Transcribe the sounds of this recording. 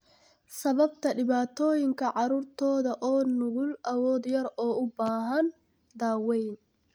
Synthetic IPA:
sɐβɐbt̪ʰɐɖɪβaːt̪ʰɔːjɪŋkʰɐʕɑɾuːrt̪ʰɔːðɐʔɔːnʊɣʊlʔɐwɔːd̪jɐɾɔːʊbaːɦɐn | d̪aːwɛjn

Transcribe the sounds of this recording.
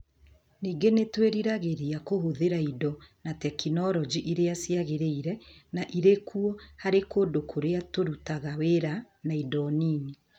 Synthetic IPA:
niːɡenetweɾiɾaɣeɾiakohoðeɾaidɔnatɛkinɔɾɔd͡ʒiʔiɾeasiaɣeɾeiɾɛnaʔiɾekuɔhaɾekodokʰoɾeatoɾutaɣaweɾa | naidɔniːni

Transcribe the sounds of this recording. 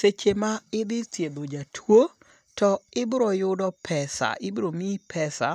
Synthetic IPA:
set͡ʃemaɪd̪ɪtjed̪od͡ʒatʰwo | tɔɪbɾɔjʊdɔpʰɛsa̰ʔɪbɾomipʰɛsa̰

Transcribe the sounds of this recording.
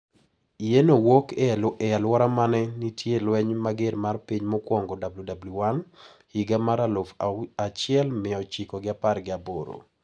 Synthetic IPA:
ienowokɛɛalwɔɾamanɛnitʰjelwɛɲmaɡɪɾmarpiɲmɔkwɔŋɡɔdabljudabluwan | hiɡamaɾalofat͡ʃɪɛlmɪɔt͡ʃikoɡɪaparɡɪaboɾo̰

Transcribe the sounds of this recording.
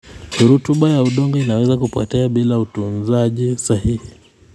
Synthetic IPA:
ɾutuɓajauɗɔŋɡɔinawɛzakupɔ̰tɛaɓilautunzaʄisahihi

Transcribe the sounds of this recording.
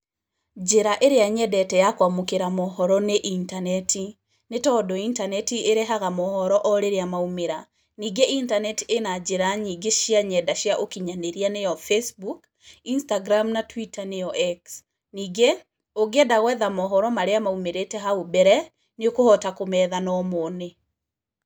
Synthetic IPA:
d͡ʒeɾaʔeɾeaɲɛdɛtɛjakwamokeɾamɔhɔɾɔneʔintanɛtʰi | netɔdɔintanɛtiʔeɾeɦaɣamɔhɔɾɔʔɔɾeɾeamaumeɾa | niɡeʔintanɛtienad͡ʒeɾaɲiɡeʃjaɲɛdaʃjaʔokiɲaneɾianejɔfesbuk | instaɡɾamnatwitaneɔʔɛks | niːɡe | oɡeɛdaɣwɛðamɔɦɔɾɔmaɾeamaumeɾetɛɦaobɛɾɛ | neokohɔtakomɛːðanɔmoːne

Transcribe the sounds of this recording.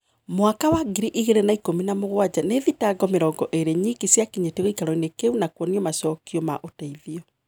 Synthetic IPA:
mwakawaɡiɾiʔiɣeɾenaikominamoɣwad͡ʑaneðitaɡɔmeɾɔːŋɡɔʔeɾeɲikisjakiɲeteɣoikaɾɔinekeunakwɔniɔmasɔkiɔma̰ʔotaiðiɔ

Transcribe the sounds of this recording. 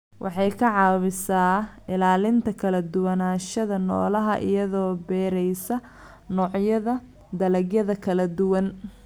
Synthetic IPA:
wʔɑ̰ħɑjkʰɐʕɑːβɪsaːɪlaːlɪnt̪ʰɐkʰɐlɐd̪ʊwɐnaːʃɐðɐnɔ̰ːlɐɦɐʔɪ̰jɐðɔːbɛːɾɛjsɐ | nɔːʕjɐðɐ | d̪ɐlɐɡjɐðɐkʰɐlɐd̪ʊwɐn

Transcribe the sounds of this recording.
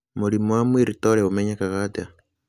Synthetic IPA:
mulimuamwiɾitoleβumeɲakaɣada

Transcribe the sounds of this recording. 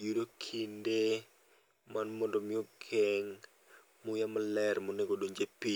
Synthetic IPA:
judokʰinde | manmɔndomɪɔɡʰɛŋ | mʊjamalɛɾmoneɡodoɲd͡ʒepi

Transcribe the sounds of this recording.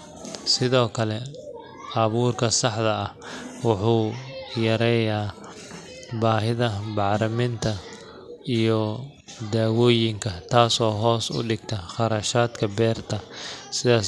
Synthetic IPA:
sɪðɔːkʰɐlɛ | ɐβuːrkʰɐsɑħdɐɐhwɑħuːjɐɾɛːjaː | baːɦɪðɐbɑʕɾɐmɪnt̪ʰɐ | ijɔ | d̪aːwɔːjɪŋkʰɐt̪ʰaːsɔːɦɔːsʊ̰ɖɪɡ̚t̪ʰɐχɑɾɐʃaːd̪kʰɐbɛːrt̪ʰɐsɪðaːs

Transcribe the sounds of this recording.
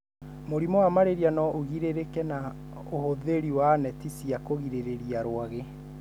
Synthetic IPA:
moɾimɔwamaɾeɾianɔʔoɣiɾeɾekɛna | ohoðeɾiwanɛtisiakoɣiɾeɾeɾiaɾwaɣe

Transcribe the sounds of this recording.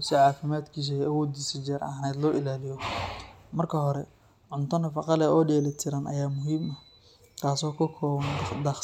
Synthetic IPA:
sɪʕɑːfɪmaːd̪kʰiːs̬ɐɛɐwɔːd̪iːsɐd͡ʒɛɾɐ̰nɛːd̪lɔːʔɪlaːlɪjɔ | mɐrkʰɐɦɔɾɛ | ʕʊnt̪ʰɐnɐfɑqɑlɛʔɔːɖjɛːlɪt̪ʰɪɾɐnʔɐ̰jaːmʊɦiːmɐh | kʰaːsɔːkʰɐkʰɔːβɐnd̪ɐχ

